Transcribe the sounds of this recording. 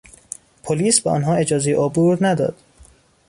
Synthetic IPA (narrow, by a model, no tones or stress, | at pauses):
pʰoliːsbeʔɒ̰ːnɦɒːe̞d͡ʒɒːzejeʔobuɾnæd̪ɒ̰ːd̪̥